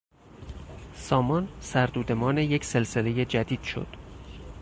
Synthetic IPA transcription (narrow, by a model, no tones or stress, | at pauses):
sɒːmɒnsæɾd̪uːd̪e̞mɒːne̞jecʰse̞lse̞le̞je̞d͡ʒæd̪iːd̪̥ʃo̰d̪̥